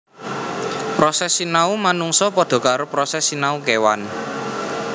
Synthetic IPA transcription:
pɾɔsɛsinaumanuŋsɔpɔd̪̥ɔ̤kaɾopɾɔsɛsinaukewan

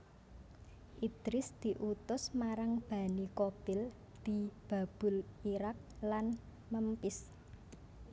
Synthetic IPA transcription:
ʔid̪̥ɾɪsd̪̥i̤ʔut̪ʊsmaɾaŋb̥a̤nikob̥ɪl | d̪̥i̤b̥a̤b̥ʊ̤liɾak̚lan | məmpɪs

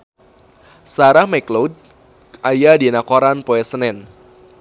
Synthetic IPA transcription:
saɾahmɛklod̚ | ajadinakoɾanpoɛsənɛn

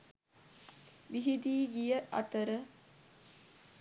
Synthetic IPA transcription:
ʋiɦid̪iːɡijəʔɐ̰t̪əɾə

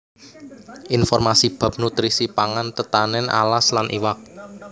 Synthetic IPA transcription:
ʔinfɔrmasib̥a̤p̚nut̪ɾisipaŋant̪ət̪anɛna̰laslanʔḭwak̚

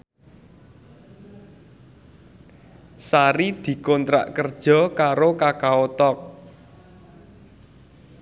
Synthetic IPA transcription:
saɾid̪̥i̤kɔnt̪ɾa̰ʔkərd̥ʒ̥ɔ̤kaɾokakaot̪ɔk̚

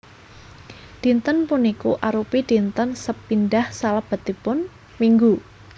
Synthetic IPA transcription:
ɖ̪̥i̤nt̪ənpunikuʔaɾupiɖ̥i̤nt̪ənsəpinɖahsalab̥a̤t̪ipʊn | miŋɡu

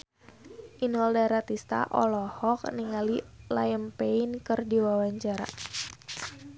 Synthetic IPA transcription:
ʔinɔldaɾat̪ist̪a̰ʔɔ̰lɔhɔk̚niŋalilajəmpeinkɨrdiwawaɲt͡ʃaɾa̰

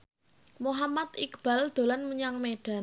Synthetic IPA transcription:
muɦamat̪ikb̥a̤ld̪̥o̤lanmuɲaŋmeɖ̥a̤

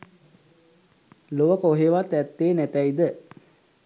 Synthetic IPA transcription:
loʋəkoɦeʋat̪æt̪ːeːnæt̪æid̪ə

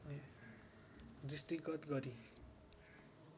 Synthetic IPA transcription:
n | disʈrikʌt̪ɡʌɾi

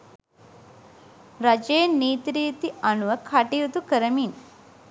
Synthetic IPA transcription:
ɾad͡ʒejenːiːt̪ɾijt̪ianuʋəkʰaʈijut̪ukəɾəmin

